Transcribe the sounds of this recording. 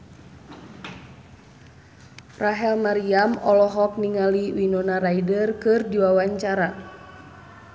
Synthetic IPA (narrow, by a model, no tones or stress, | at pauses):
raɦɛlmaɾiamɔlɔɦɔk̚niŋaliwinɔnaɾaidərkɨrdiwawaɲt͡ʃaɾa